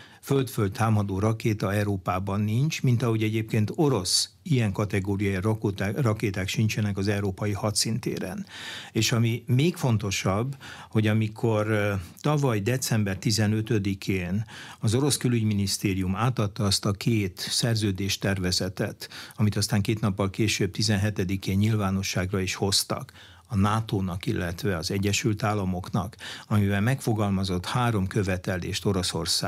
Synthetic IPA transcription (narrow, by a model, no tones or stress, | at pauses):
følt̪føldt̪taːmɒd̪oːɾɒkeːt̪ɒɛɾoːpaːbɒnːint͡ʃmint̪ɒɦo̞ɟɛɟeːpkeːnt̪o̞ɾo̞s | ijɛŋkɒt̪ɛɡoːɾijajiɾkt̪rɒkeːt̪aːkʃiɲt͡ʃɛnɛkɒzɛuɾoːpɒjihɒt̪sint̪ḛːɾɛ̰neːʃɒmimeːkfo̞nt̪o̞ʃɒbːho̞ɟɒmikʰort̪ɒvɒjd̪ɛt̪sɛmbɛrt̪izɛnø̞t̪ø̞d̪ikʰeːnɒzo̞ɾo̞skølyɟminist̪eːɾijumaːt̪ɒt̪ːɒɒst̪ɒkʰeːt̪sɛrzøːd̪eːʃt̪ɛrvɛzɛt̪ɛt̪ɒmit̪ɒst̪aːŋkeːt̪nɒpːɒlkeːʃøːb̚t̪izɛnɦɛt̪ɛd̪ikeːɲɲilvaːno̞ʃːaːɡrɒiʃho̞st̪ɒ̰k | ɒnaːt̪oːnɒkilːɛt̪ʋɛɒzɛɟːɛʃylt̪aːlːɒmo̞knɒ̰kɒmivɛlmɛkfo̞ɡɒlmɒzo̞t̪haːɾo̞mkøvɛt̪ɛlḛːʃt̪o̞ɾo̞so̞rsa̰ː